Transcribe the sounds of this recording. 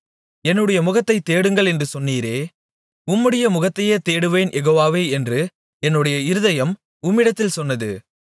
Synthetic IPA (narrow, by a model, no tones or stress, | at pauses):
ɛnːɯɽɐjɐmʊɣɐt̪ːɐɪt̪ːeːɽɯŋɡɐɭɛndrɯsɔnːiːɾeː | ʊmːɯɽɐjɐmʊɣɐt̪ːɐjeːt̪eːɽɯʋeːnʔɛɣoːʋaːʋeːɛndrɯ | ɛnːɯɽɐjɐɪɾɯðɐjɐm | ʊmːɪɽɐt̪ːɪlsɔnːɐðɯ̰